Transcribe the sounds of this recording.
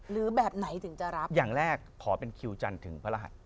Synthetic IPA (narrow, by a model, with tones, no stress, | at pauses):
ɾɯː˩˦bɛː˨˩p̚na˩˦jt̪ʰɯ˨˩˦ŋt͡ɕa˨˩ɾa˦˥p̚jaː˨˩ŋɾɛː˥˩kʰːɔː˩˦pe˧nkʰi˧wt͡ɕa˧nt̪ʰɯ˩˦ŋpʰa˧la˧ɦa̰˨˩t̪̚